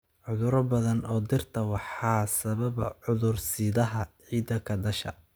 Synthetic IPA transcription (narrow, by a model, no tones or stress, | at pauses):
ʕʊðʊɾɐbɐðɐnɔːd̪ɪrt̪ʰɐwɑħɑːsɐβɐβɐʕʊðʊrsiːðɐɦɐʕiːd̪ɐkʰɐd̪ɐʃɐ̰